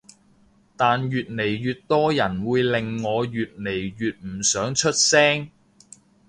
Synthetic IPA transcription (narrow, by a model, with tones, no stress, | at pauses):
t̪aː˨njyː˨t̚ne˨˩jjyː˨t̚t̪ɔː˥jɐ˨˩nwuː˨˧jlɪ˨ŋːɔː˨˧jyː˨t̚ne˨˩jɥyː˨t̚m̩˨˩sœː˨˥ŋt͡ʃʰɵ˥t̚sɛː˥ŋ